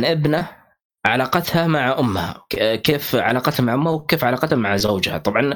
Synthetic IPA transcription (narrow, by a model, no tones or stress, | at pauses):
nʔɪbna | ʕalɑːqɑt̪hamaʕaʔʊmːha̰keːfʕa̰lɑːqɑt̪hamaʕʔʊmːhawkeːfʕalɑːqɑt̪hamaʕzawd͡ʒha̰t̪ˤɑbʕɑn